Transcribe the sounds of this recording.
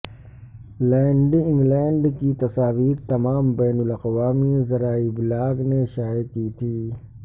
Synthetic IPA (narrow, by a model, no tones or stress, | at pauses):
lɛ̃ːɳɖiɪ̃ŋɡlɛ̃ːɳɖkit̪ɐsaːʋiːɾt̪ɐmaːmbɛːnʊlɐqʋaːmizɐɾaːibɪlaːɡneʃaːekit̪ʰiː